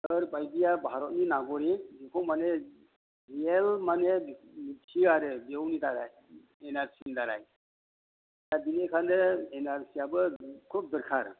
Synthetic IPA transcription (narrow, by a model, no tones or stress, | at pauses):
əɾbajdijabʱaɾɔt̚ninaɡɔɾizikʰowmane | ɾielmanemisʰiaɾɯbewnidaɾaj | enaɾsinidaɾa̰j | jabinekʰandɐenaɾsiabɯkʰup̚dɯɾkʰaɾ